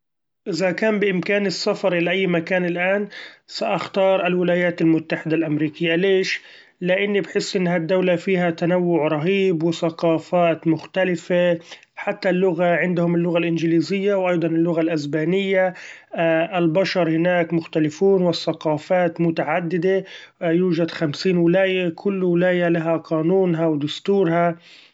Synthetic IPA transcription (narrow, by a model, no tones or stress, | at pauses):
ʔɪðakaːmbɪʔɪmkaːnɪsːafɑɾˤʔɪlaʔajːmakaːnɪlʔaːnsaʔaxt̪ɑːɾˤʔɪlwɪlaːjaːt̪almʊt̪ːaħɪd̪alʔamɾiːkɪjːaleːʃ | lɪʔɪnːibħɪsːʔɪnːɦad̪ːawlafiːhat̪anawːʊʕɾˤɑɦiːbwɪθaqɑːfaːt̪mʊxt̪alɪfe | ħat̪ːalːʊɣaʕɪnd̪hʊmɪlːʊɣalʔɪnd͡ʒɪliːzɪjːawʔɑjd̪ˤɑnɪlːʊɣalʔasbaːnɪjːa | ʔɪlbaʃɑɾˤhɪnaːkmʊxt̪alɪfuːnwɪθːaqɑːfaːt̪mʊt̪aʕad̪ːɪd̪ejuːʒad̪xamsiːnwɪlaːjakʰʊlːwɪlaːjalaɦaqɑːnuːnɦawd̪ʊst̪uːɾha